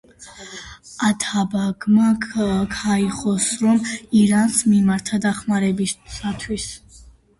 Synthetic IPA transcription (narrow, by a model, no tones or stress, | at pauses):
at̪ʰabaɡmakʰaiχɔsɾɔmiɾansmimaɾt̪ʰad̪aχmaɾɛbiːat̪ʰwis